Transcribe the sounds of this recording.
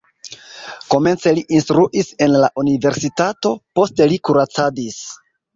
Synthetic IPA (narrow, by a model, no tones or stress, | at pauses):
ko̞me̞nt͡se̞liʔinstɾuʔise̞nlaʔunive̞ɾsitato̞po̞ste̞likuɾat͡sadis